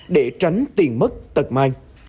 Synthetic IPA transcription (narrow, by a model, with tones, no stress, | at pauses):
ɗe˧˩t͡ɕa˨˦jŋ̟t̪i˨˩ənmə˦˥t̚t̪ə˨˩t̚ma˧jŋ